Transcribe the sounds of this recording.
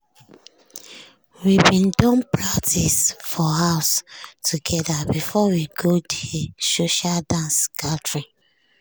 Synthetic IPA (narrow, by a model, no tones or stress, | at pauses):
wibĩndɔ̃npɹak̚tʰisfɔhaʊstʰuɡɛdabifɔwiɡodesoʃaldãnsɡatɹi